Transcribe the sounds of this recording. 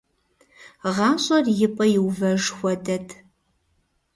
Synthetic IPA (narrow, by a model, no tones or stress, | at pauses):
ʁɑːɕʼɐrjɪpʼɐjɪwvɐʐxʷɔdɐtʰ